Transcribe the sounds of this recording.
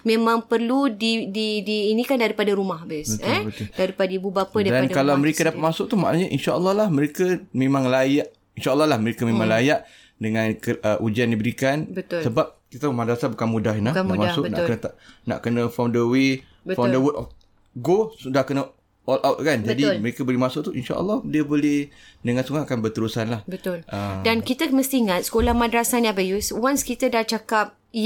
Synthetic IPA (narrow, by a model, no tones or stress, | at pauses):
mẽmãŋpərludididiːnĩkandaɾipadaɾumahbɪsəɛ̃ət̪ʊdaɾipadaibubapədaɾidankalaməɾekadapat̪̚masʊk̚t̪uhmaʔnaɲaʔinʃaəlːɑhlahməɾekəmemaŋlajaʔ | inʃaəlːɑlahməɾekəmemãŋlajaʔ | dəŋãnkəəʔud͡ʒiandibəɾikanbətsəbap̚kit̪aəmadaasabəkanmudahinlamasʊkna̰ʔkənət̪ana̰ʔkənəfɔndəwe | bfadəwutɔf | ɡosudahkənə | ɔlʔawt̪̚kand͡ʒadiməɾekabəlihmasʊʔt̪uinʃa̰ʔə̰lːɑhdiəbolɛhdəŋansuŋaŋakanbət̪əɾusanlahbət̪lʔədankit̪əməst̪iiŋat̪̚sə̥kolahmãdɾasanjãbəjuswanskit̪adat͡ʃakap̚